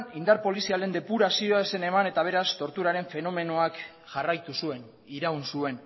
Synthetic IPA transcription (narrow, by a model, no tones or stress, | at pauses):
ind̪aɾpo̞lisiale̞nd̪e̞puɾasio̞aese̞ne̞mane̞t̪aβ̞e̞ɾast̪o̞ɾt̪uɾaɾe̞ɱfe̞no̞me̞noak | ʝarajt̪usue̞n | iɾawnsue̞n